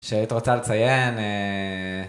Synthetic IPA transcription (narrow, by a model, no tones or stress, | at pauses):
ʃeait̪iʁot͡salet͡sajeme